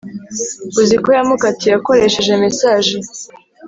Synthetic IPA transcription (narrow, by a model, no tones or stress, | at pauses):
uzikojamukatijako̞ɾe̞ʃe̞ʒemesaːʒi